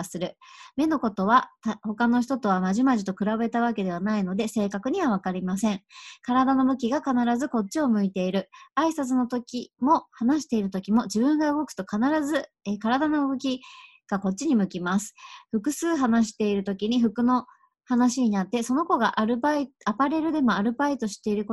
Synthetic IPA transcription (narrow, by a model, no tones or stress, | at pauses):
sɨɾɯ̟me̞no̞ko̞t̪o̞βat̪aho̞kano̞çi̥t̪o̞t̪o̞β̞amaʑimaʑit̪o̞kɯ̟ɾaβe̞t̪aβ̞ake̞d̪e̞βanaino̞d̪e̞se̞ːkakɯ̟ɲ̟iβ̞aβ̞akaɾʲimasẽ̞ŋkaɾad̪ano̞mɯ̟kʲiɡakanaɾazɨko̞t̚t͡ɕːɕio̞mɯ̟it̪e̞iɾɯ̟aisat͡sɨno̞t̪o̞kʲimo̞hanaɕ̬i̥t̪e̞iɾɯ̟t̪o̞kʲimo̞d͡ʑibɯ̟̃ŋɡaɯ̟ɡo̞kɯ̟̥t̪o̞kanaɾazɨ | ekaɾad̪ano̞ɯ̟ɡo̞kʲi | ɡ̥ako̞t̚t͡ɕːiɲ̟imɯ̟kʲimasɨ̥ɸɯ̟kɯ̟sɨːɦanaɕ̬i̥t̪e̞iɾɯ̟t̪o̞kʲiɲ̟iɸɯ̟kɯ̟no̞ | hanaɕiɲ̟inat̪ːe̞so̞no̞ko̞ɡaʔɾɯbaiapaɾe̞ɾɯ̟d̪e̞mo̞aɾɯ̟bpait̪o̞ɕi̥t̪e̞iɾɯ̟ko